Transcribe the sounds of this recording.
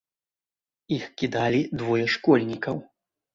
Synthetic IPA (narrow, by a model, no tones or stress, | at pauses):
ixkʲid̪alʲid̪vɔjɛʂkɔlʲnʲikɐw